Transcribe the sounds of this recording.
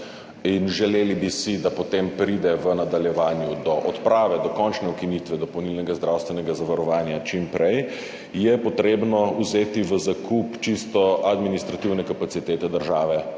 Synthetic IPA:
inʒɛlelibisid̪apɔt̪empɾid̪ɛʋənad̪aljɛʋaːnjud̪ɔʔɔt̪pɾaːʋɛd̪ɔkɔnt͡ʃnɛukinit̪ʋɛd̪ɔpɔwnilnɛɡazd̪ɾawst̪ʋɛnɛɡazaʋaɾɔʋaːnjat͡ʃimpɾɛj | jɛpɔt̪ɾeːbnɔuzeːt̪iʋəzakʰupt͡ʃist̪ɔad̪minist̪ɾat̪iwnɛkapat̪sit̪eːt̪ɛd̪əɾʒaːʋɛ

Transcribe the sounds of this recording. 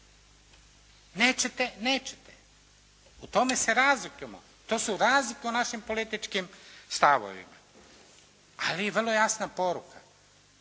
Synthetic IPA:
neːt͡ɕet̪eneːt͡ɕet̪e | ut̪o̞me̞seɾaːzlikemo̰ | t̪o̞ːsuɾaːzlikeunaʃimpo̞lit̪it͡ʃkimst̪aʋo̰ʋḭma̰ | alijeʋrlˠo̞jasnapo̞ɾuka

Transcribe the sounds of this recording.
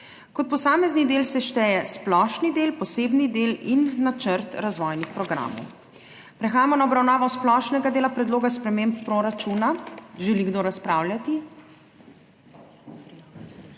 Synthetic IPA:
kɔt̪̚pɔsaːmɛznid̪eːlsɛʃt̪ɛːjɛsplɔʃnid̪eːlpɔseːbnid̪eːlinːat͡ʃəɾt̪ɾazʋɔjnixpɾɔɡɾa̰ːmɔ̰w | pɾɛxaːjamɔnaɔbɾawnaːʋɔsplɔʃnɛɡad̪eːlapɾɛd̪loːɡaspɾɛmemppɾoɾat͡ʃuːnaʒɛliɡd̪oɾaspɾaːwlʲjat̪i

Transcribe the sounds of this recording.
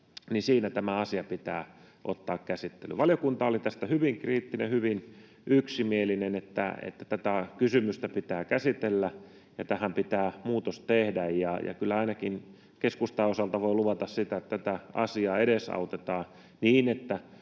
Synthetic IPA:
ninsiːnæt̪æmæɑsiɑpit̪æː | ʔo̰t̪ːɑːkkæsit̪ːḛly̰ʋɑljokunt̪ɑːolit̪æst̪æhyʋiŋkriːt̪ːinḛhyʋin | yksimielinenet̪ːæ̰ḛt̪ːæt̪æt̪ækysymyst̪æpit̪æːkæsit̪elːæ | jɑt̪æhæmpit̪æːmuːt̪ost̪ehdæjjɑjɑ̰kylːæɑinɑkin | keskust̪ɑːosɑlt̪ɑʋoiluʋɑt̪ɑssit̪æet̪t̪æt̪æɑ̰siɑːeɾesɑ̰ut̪et̪ɑː | niːnet̪ːæ

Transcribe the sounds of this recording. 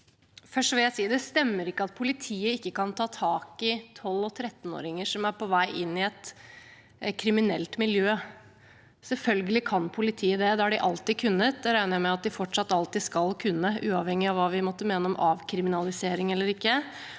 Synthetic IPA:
fœʂʈʋɪljæɪsiːd̪ɛst̪ɛmːəɾɪkːəɑt̪̚pʰʊlɪt̪ʰiːəɪkːəkɑnt̪ʰɑːt̪ʰɑːkɪt̪ʰɔlːɔt̪ʰɾɛt̪ːno̰ːɾɪŋəʂɔmæɾpʰɔʋæɪʔɪnːɪɛt̪ | kʰɾɪmɪnɛ̰lt̪mɪljøː | sɛlfœlɡəlɪkʰɑnpʰʊlɪt̪ʰiːəd̪ɛd̪ɛæɖɪʔɑlt̪iːkʰʉnːət̪̚d̪ɛɾæɪnəɾjæmɛɑt̪̚d̪ɪfɔʈʂɑt̪ːɑlt̪iːskɑlkʰʉnːəʉːɑʋhɛŋːɪɑʋɑːʋɪmɔt̪ːəmeːnəɔmʔɑːʋkʰɾɪmɪnɑlɪseːɾɪŋɛlːəɾɪkːə

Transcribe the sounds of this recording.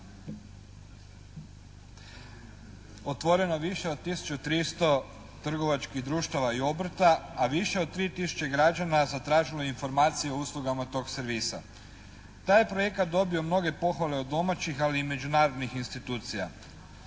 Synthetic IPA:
ot̪ʋo̞ɾe̞noeʋiʃeod̪̚t̪isu̥t͡ʃut̪ɾist̪o̞ | t̪r̩ɡo̞ʋat͡ʃkiɦd̪ɾuːʃt̪aʋaio̞br̩t̪aːʋiʃe̞od̪̚t̪ːɾiːt̪isu̥t͡ɕe̞ɡɾad͡ʒanazat̪ɾaːʒilo̞jeinfo̞ɾmaːt̪sijeo̞uːslˠuɡamat̪o̞ːɡseɾʋiːsa̰ | t̪aːjepɾo̞je̞kat̪̚d̪o̞bio̞mno̞ɡe̞po̞xʋale̞od̪ːo̞mat͡ɕixaliːme̞d͡ʑunaːɾod̪nixinst̪it̪uːt̪sija̰

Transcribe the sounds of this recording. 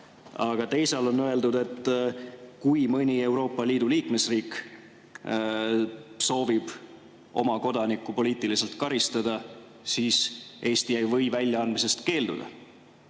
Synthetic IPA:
ɑɡ̥ɑt̪e̞jsɑlo̞nːøe̞ld̪ud̪e̞t̪ːˑ | kujmɤnʲie̞wɾo̞ːpːˑɑliːd̪̥uliːkme̞sriːk | so̞ːvib̥ | o̞̰mɑko̞d̪̥ɑnikːˑupo̞liːt̪ːˑilise̞lt̪kɑɾist̪ɑd̪̥ɑ | siːsʔe̞ːst̪ijæjvɤjvælʲjɑɑnd̪mis̬e̞st̪ke̞ːld̪ṵd̪̥ɑ̰

